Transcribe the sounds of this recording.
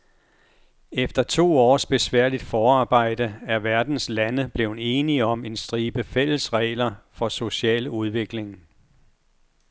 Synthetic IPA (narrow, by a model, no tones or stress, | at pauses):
efd̥ɐt͡sʰo̝̰ːɒ̰ːsb̥e̝sʋæɐ̰lid̥fɒːɑ̈ːb̥ɑ̈ɪ̰d̥əæɐʋæɐd̥n̩slænəb̥le̝ʊn̩e̝ːniɒ̽me̝nsd̥ʁiːb̥əfel̰̩sʁɛ̰ːlɐfɒ̽so̝ɕɛ̰ːluð̞ˠʋe̝ɡ̥le̝ŋ